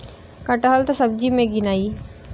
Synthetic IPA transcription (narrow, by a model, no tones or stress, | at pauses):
kəʈəɦəlt̪asəb̚d͡ʒimẽɡɪnaːiː